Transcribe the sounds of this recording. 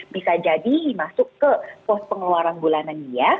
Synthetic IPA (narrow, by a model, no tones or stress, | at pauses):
bisad͡ʒadimasʊkːəpɔs̚pəŋəluaɾanbulananija